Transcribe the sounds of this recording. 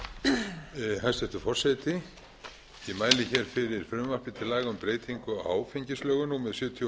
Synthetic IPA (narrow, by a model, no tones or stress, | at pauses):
hɛnst̪θɛht̪ʏfɔr̥sɛt̪ɪ | jɛmaːjlɪçɛɾ̥fɪɾɪɾ̥fɾʏmvar̥p̪ɪt̪ʰɪlaːɣʏmpɾeːjt̪ʰiŋkʏa̰ːwfeɲcɪslœːɣʏnumɛðsjʏːt̪ʰj